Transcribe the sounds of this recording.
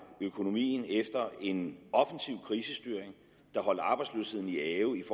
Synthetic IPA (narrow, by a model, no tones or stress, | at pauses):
økʰo̝no̝mḭːn̩efd̥ɐe̝nɒ̽fən̩siʊ̰kʰʁiːsəsd̥yːɐeŋ | d̥ɑ̈ɦɒ̽l̰ɐɑ̈ːb̥ɑ̈ɪdslø̰ːshe̝ð̰ˠn̩iɛːʊif